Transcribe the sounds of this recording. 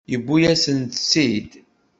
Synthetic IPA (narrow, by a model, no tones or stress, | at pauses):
jəbːujæsənt̪sid̪